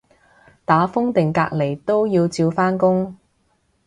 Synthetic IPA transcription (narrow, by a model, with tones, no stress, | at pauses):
t̪aː˨˥fʊ˥ŋt̪ɪ˨˩ŋkaː˧k̚le˨˩jt̪o˥wjiː˧wt͡siː˧wfaː˥nkʊ˥ŋ